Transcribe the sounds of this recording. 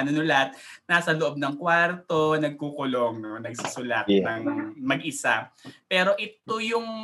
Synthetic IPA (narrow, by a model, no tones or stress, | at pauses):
nʊnʊlat̪̚ | naːsɐloʔo̞b̚nɐŋkwaɾt̪o̞nɐɡ̚kuːkʊlo̞ŋnonɐɡ̚sisʊla̰t̪nɐŋmɐɡʔɪsapɛːɾo̞ʔɪt̪ojʊŋ